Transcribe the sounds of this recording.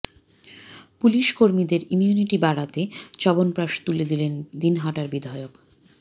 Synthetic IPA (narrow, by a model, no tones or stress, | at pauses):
puliʃkoɾmid̪eɾimjuniʈibaɽat̪et͡ɕɔbonpɾaʃt̪uled̪ilend̪inɦaʈaɾbid̪ʱaeok